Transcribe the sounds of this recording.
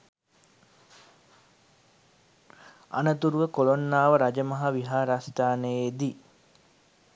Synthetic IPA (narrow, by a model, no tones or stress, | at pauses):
a̰nət̪uɾuʋəkolonːaːʋəɾad͡ʒəmɐɦaʋiɦaːɾast̪aːnəjed̪i